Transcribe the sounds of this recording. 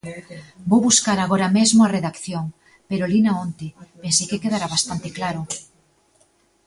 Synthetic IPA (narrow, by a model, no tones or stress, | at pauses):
bowβuskaɾaɣoɾamezmʊareðakθjoŋ | peɾolinaont̪ɪpensekekeðaɾaβast̪ant̪ɪklaɾʊ